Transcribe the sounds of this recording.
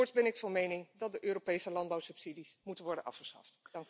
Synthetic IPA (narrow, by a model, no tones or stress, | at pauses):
ʊɹtsbɛnɪkfɑnmejnɪŋdɑt̚dəʔøːropejsəlɑndbawsɵpsidismutənʋɔɹdənʔɑ̰fχə̥sχɑ̰ftd̥ɑŋk